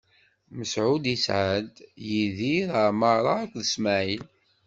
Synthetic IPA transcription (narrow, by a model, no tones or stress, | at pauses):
məsʕud̪isʕad̪jiðiɾəməɾˤɑækʷðəsmæʕil